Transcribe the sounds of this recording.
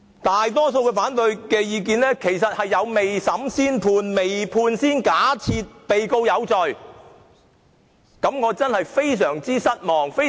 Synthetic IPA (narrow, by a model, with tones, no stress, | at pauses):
t̪aː˨jt̪ɔː˥so˧wkɛː˧faː˨˥nt̪ɵ˨˧ɥkɛː˧jiː˨˧k̬iː˧nɛː˥kʰe˨˩jsɐ˨t̚hɐ˨jːɐ˨˧wme˨jsɐ˨˥msiː˥npʰuː˧nme˨jpʰuː˧nsiː˥nkaː˨˥t͡sʰiː˧t̚pe˨jko˧wjɐ˨˧wt͡sɔ˨˩ɥ | kɐ˨˥mŋɔː˨˧t͡sɐ˥nhɐ˨jfe˥js̬œː˨˩ŋt͡siː˥sɐ˥t̚mɔː˨˩ŋfe˥